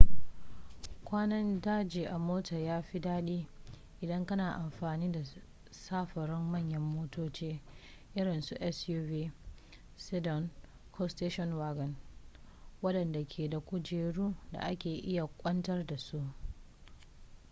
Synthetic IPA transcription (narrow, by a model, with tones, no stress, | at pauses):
kʷaː˦nɐ˦ndaː˦d͡ʒeː˨ʔa˨moː˦tɐ˨jaː˦ɸi˦daː˦ɗiː˦ | ʔɪ˨dɐ˦ŋkɐ˦naː˨ʔa˨mɸaː˨niː˦da˨ | saː˦ɸɐ˨ɽɪ˦mːɐ˦˨ɲjɐ˦mːoː˦toː˦t͡ʃeː˦ʔɪ˦ɽɪ˨nsu˨˦ʔɛ˦sjuː˦vi˦ | si˦dɔ˨n | kʰo˦steː˦ʃɔ˦nwaː˦ɡɐ˨n | wɐ˦ɗɐ˨nda˨kʲʰeː˨da˨kʷʊ˦d͡ʒeː˨ɽuː˦da̰˨ʔa˦kʲeː˨ʔɪ˦ja˨kʷʼɐ˦ntɐ˦rda˨su˦ʔ